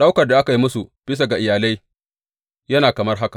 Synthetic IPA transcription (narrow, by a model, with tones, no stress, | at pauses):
ɗa˦wkɐ˨rda˨ʔa˦ka˨ji˦mʊ˦su˨b̥ɪ˦s̬a˨ɡa˨ʔɪ˨jaː˨la˦j | jɐ˦naː˨kɐ˨mɐ˦rɦa˦ka˨